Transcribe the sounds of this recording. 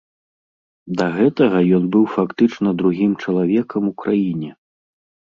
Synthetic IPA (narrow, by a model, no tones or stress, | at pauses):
d̪ɐɣɛt̪ɐɣɐjɔnbɨwfakt̪ɨt͡ʂn̪ɐd̪ɾuɣʲimt͡ʂɐlˠavʲɛkɐmukɾʔajinʲɛ